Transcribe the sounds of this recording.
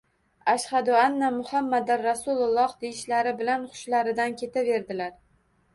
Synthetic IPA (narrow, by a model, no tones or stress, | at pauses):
aʃhad̪ʊanːamʊhamːad̪aɾɾasʊlˠlˠːɒhd̪ejɪʃlaɾɪbɪlanχʊ̥ʃlaɾɪd̪ankʲʰe̞t̪ʰave̞ɾd̪ɪlaɾ